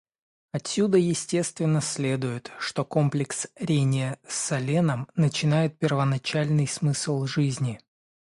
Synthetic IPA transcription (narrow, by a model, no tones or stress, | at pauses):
ɐtsʲːud̪əjɪsʲtʲe̞st̪vʲɪnːəsʲlʲe̞d̪ʊjɪt̪ʂt̪o̞ko̞mplʲɪksɾʲenʲɪjəsʲɐlʲenəmnət͡ɕɪnajɪt̪̚pʲɪrvənɐt͡ɕalʲnɨjsmɨsəlˠʐɨzʲnʲɪ